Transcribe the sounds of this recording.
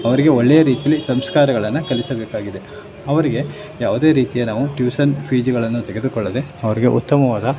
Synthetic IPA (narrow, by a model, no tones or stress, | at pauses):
ɐʋɐɾiɡe̞oɭːejɐɾiːt̪ijɐlːisɐmskaːɾɐɡɐɭɐnːɐkɐlisɐbeːkaːɡid̪e̞ | ɐʋɐɾiɡe̞ | jaːʋud̪e̞ːɾiːt̪ijɐnaːʋuʈjuːsɐnpʰiːd͡ʒɐɡɐɭɐnːut̪eɡe̞d̪ukɔɭːɐd̪e̞ɐʋɐɾiɡe̞̰ʔṵt̪ːɐmɐʋaːd̪ɐ